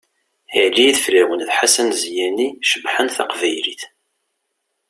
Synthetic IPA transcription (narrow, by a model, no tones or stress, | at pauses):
iʕliðflæwənθħasænzjæniʃəbħənθɑ̰qvæjliθ